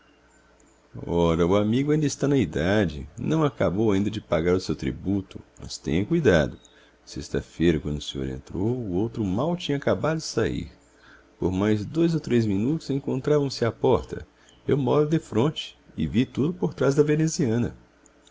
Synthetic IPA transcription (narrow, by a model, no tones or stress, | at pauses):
ɔɾɐʊamiɡʊaĩnd̪ɐɪst̪anɐid̪ad͡ʒɪ̰nɐ̃w̃akabowaĩd̪ɐd͡ʒɪpaɡaɾʊsewt̪ɾḭbut̪ʊmɐ̰st̪ḛ̃ɲɐ̃kujd̪a̰d̪ʊ | sest̪ɐ̰fejɾɐkwɐ̃nd̪ʊsẽɲo̰ɾḛ̃nt̪ɾowːowt̪ɾʊmawt͡ʃĩɲɐkabad̪ʊd͡ʒɪsaḭɾ | po̰ɾmajzd̪ojzowt̪ɾezmĩnut̪ʊzẽŋkõnt̪ɾavɐ̃w̃sɪapɔɾt̪ɐ̰ | ewmɔɾʊd̪efɾõnt͡ʃɪ̥ɪ̰vit̪ud̪ʊpoɾt̪ɾazd̪ɐveneziɐ̃nɐ